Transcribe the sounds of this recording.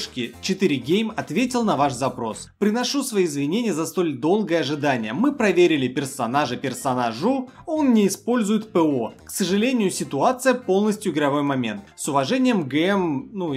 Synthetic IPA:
ʂkʲɪt͡ɕɪt̪ɨɾʲɪɡʲejmɐt̪vʲetʲɪlˠnɐvaʂzɐpɾo̞spɾʲɪnɐʂusvɐjiɪzvʲɪnʲenʲɪjəzɐst̪o̞lʲd̪o̞lˠɡəjəɐʐɨd̪anʲɪjəmɨpɾɐvʲeɾʲɪlʲɪpʲɪrsɐnaʐɨpʲɪrsɐnaʐʊo̞nnʲɪɪspo̞lʲzʊjɪt̪pɛo̞ksəʐɨlʲenʲɪjʊsʲɪt̪ʊat̪sɨjəpo̞lˠnəsʲtʲjʊɪɡɾɐvo̞jmɐmʲe̞̰nt̪sʊvɐʐɛnʲɪjəmɡɛmnu

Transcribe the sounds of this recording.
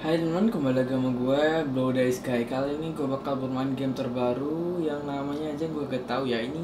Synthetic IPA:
halmankəmbalaɡamaɡuabladaiskaikaloiniɡuabakalbərmaɪnɡɛmt̪ərbaɾujaŋnamaɲaːd͡ʒaɡuaɡat̪aujaini

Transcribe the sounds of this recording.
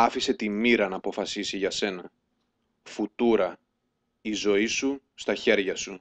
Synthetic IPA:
ɐfise̞t̪imiɾɐnɐːpo̞fɐsisiʝɐse̞nɐ | fut̪uɾɐ | izo̞isu | st̪ɐçe̞ɾʝɐsu

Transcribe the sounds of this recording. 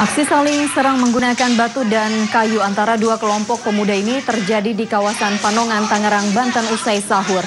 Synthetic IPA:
ʔaksisalɪŋsəɾaŋməŋɡunakanbat̪udankajuant̪aɾaduakəlɔmpɔk̚pəmudainit̪ərd͡ʒadidikawasanpanɔŋant̪aŋəɾaŋbant̪ənusajsaɦʊr

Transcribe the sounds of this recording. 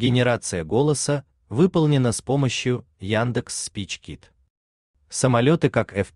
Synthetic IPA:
ɡʲɪnʲɪɾat̪sɨjəɡo̞lˠəsə | vɨpəlˠnʲɪnəspo̞məɕjʊ | jand̪ɨksːpʲit͡ɕkʲit̪ | səmɐlʲo̞t̪ɨkakɛf

